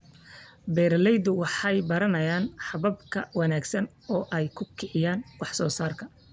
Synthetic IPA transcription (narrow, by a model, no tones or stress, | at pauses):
bɛːɾɐlɛjd̪ʊwɑħɑjbɐɾɐnɐjaːnħɑβɐb̚kʰɐ̰wɑnaːɡsɐn | ɔːʔɛjkʰʊkʰɪʕɪjaːnwɑħsɔːsaːrkʰɐ